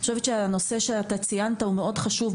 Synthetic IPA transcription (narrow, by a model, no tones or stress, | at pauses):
oʃevetʃeano̞se̞ʃeat̪at͡sijant̪aumeo̞dχaʃuv